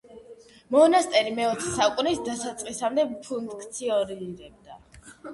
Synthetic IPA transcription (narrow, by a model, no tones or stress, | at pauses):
mɔnast̪ʼɛɾimɛɔt̪sʰɛsaukʼunisd̪atsat̪sʼqʼisamd̪ɛpʰunkkʰʼt̪sʰiɔniɾɛb̚d̪a